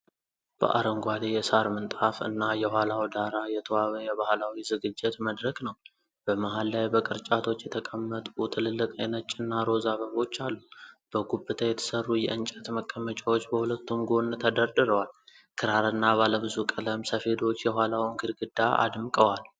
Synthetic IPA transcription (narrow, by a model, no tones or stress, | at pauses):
b̥ə̰ʔa̰ɾəŋɡʷad̪ejɛsaɾmɨnt̪ʼafɨ̰nːajɛhʷwalawd̪aɾajɛt̪ʰəwaβəjɛβahlawizɨɡɨd͡ʒːɪt̪məd̪ɾəknəw | b̥əmaɦalːajbəkʼɨɾt͡ʃʼat̪ʰo̞t͡ʃːjɛt̪ʰəkʼəmːət̪ʼut̪ʰɨlɨlːɨkʼajnət͡ʃʼːɪnːaɾo̞zaβəβo̞t͡ʃːalːub̥əɡubːɨt̪ʰəjɛt̪ʰə̥sərːujɛ̰ʔɨnt͡ʃʼɛt̪məkʼːəmət͡ʃʼawot͡ʃːbəhulət̪ːumɡo̞nt̪ʰəd̪əɾd̪ɨɾəwal | kʰɨɾaɾɨnːaβaləβɨzukʼələmsəfe̞d̪o̞t͡ʃːjɛɦʷalawŋkʰɨd̪ɡɨd̪ːaʔa̰d̪mkʼəwal